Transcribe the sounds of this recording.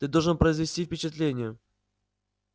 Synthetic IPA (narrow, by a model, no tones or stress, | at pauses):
t̪ɨd̪olˠʐɨnpɾəɪzvʲɪsʲtʲifʲpʲɪt͡ɕɪt̪lʲenʲɪjə